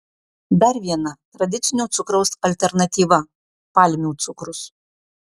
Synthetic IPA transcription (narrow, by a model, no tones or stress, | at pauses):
d̪ɐɾʋʲiɛnɐt̪ɾɐd̪ʲɪt̪sʲɪnʲoːt̪sʊkɾɐʊsɐlʲt̪ʲɛɾnɐt̪ʲiːʋɐ | pɑlʲmʲuːt̪sʊkɾʊs